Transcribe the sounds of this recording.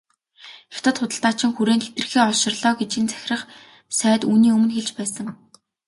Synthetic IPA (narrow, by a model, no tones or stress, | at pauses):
ixt̪ə̆t̪χʊt̪ə̆ɬt̪aːt͡ɕɪ̆ŋxuɾeːnt̪ʰet̪ɘ̆rxeːɔʃɪ̆rɮɔːɡet͡ɕĭnt͡sæ̥xʲɪ̆rə̆χ | sæːt̪uːniːɵmɵ̆nxeɮt͡ɕpæːsə̆ŋ